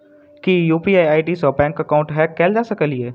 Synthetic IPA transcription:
kijuːpiːaːaːiʈisɔbɛ̃ːŋkəkaʊ̃ɳʈɦɛkːɛːld͡ʒaːsɐkəlieː

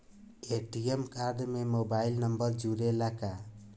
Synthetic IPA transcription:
eʈiemkaɾɖmemobailnʌmbʌɾd͡ʒuɾelaka

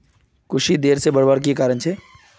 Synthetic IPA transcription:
kʊʃid̪eːɾsebɐɾbaːɾk̬ikaːɾənt͡ʃʰeː

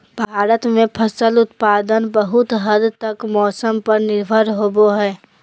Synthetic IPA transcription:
bʱaːɾət̪mẽpʰəsəlʊt̪paːd̪ənbəɦʊt̪ɦəd̪t̪ɐkmɔːsəmpɐɾnɪɾbʱəɾɦoːboɦɛː

